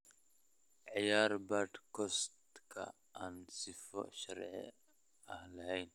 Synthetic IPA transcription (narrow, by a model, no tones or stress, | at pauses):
ʕɪjaːɾbɐd̪kʰɔst̪kʰɐ̰ | ʔaːnsɪfɔ̰ʃɐɾʕɪ̰ | ɐhlɐhɛjn